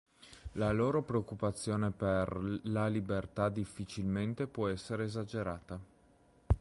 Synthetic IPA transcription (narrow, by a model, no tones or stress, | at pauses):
laloːɾopɾeokːupat̪sːjoːneperlalibert̪ad̪ifːit͡ʃilment̪epwɔɛsːeɾeːzad͡ʒeɾaːt̪a